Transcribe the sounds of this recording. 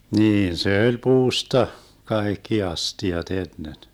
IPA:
niːn se ølʲ puːstɑ kɑekːi ɑstiɑt enːen

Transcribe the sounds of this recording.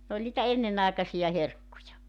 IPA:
n olʲ nitæ enːenɑˑekɑsijɑ herkːujɑ

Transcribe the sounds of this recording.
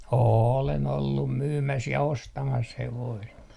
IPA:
oːlen olːum myːmæs jɑ ostɑmɑs heʋoist

